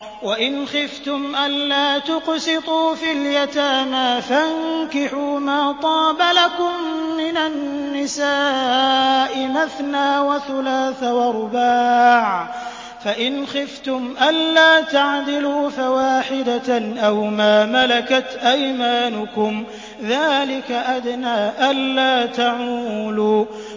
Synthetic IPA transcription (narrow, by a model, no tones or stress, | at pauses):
waʔɪnxɪft̪ʊmʔanlaːt̪ʊqsɪt̪ˤuːfiljat̪aːmaːfaŋkɪħuːmaːt̪ˤɑːbalakʊmːɪnanːɪsaː | ʔɪmaθnaːwaθʊlaːθawaɾʊbaːʕ | faʔɪnxɪft̪ʊmʔanːaːt̪aʕd̪ɪluːfawaːħɪd̪aʔawmaːmalakat̪ʔajmaːnʊkʊm | ðaːlɪkaʔad̪naːʔanlːaːt̪aʕuːluː